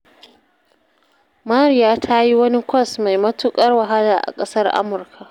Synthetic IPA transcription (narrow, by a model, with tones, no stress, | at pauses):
maː˦ɾi˦jaː˦tʰa˦ji˦wɐ˦ni˦kʷɐ˦˨sma˨jmɐ˦tʊ˦kʼɐ˦rwɐ˨ɦa˦laː˨ʔa̰˨kʼɐ˦sɐ˦rʔa̰˦mʊ˨rkʰa˨ʔ